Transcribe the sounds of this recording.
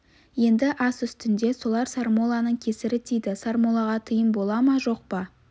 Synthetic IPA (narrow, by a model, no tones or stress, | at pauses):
je̞nd̪ɪʔɑsʏst̪ɪnd̪e̞so̞lˠɑɾsaɾmo̞lˠɑnəɴkʲʰe̞sɪɾɪt̪ʰijd̪ɪsaɾmo̞lˠɑʁɑt̪ʰəjəmbo̞lˠɑmɑʒo̞q̚pɑ